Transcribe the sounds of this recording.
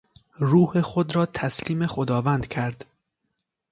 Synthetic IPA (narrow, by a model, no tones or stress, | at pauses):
ɾuːhexod̪ɾɒːt̪ʰæsliːme̞xod̪ɒːvænd̪̥kcʰæɾd̪̥